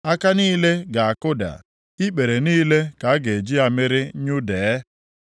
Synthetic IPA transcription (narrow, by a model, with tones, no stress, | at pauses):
a˦ka˦niː˦le˦ɡa˨a˨kʊ˦da̰˨ | i˦ɓe˨ɾe˨niː˦le˦ka˨˦ɡe˨d͡ʒi˦a˨mɪ˦ɾɪ˦ɲʊ˦dɛ˨˦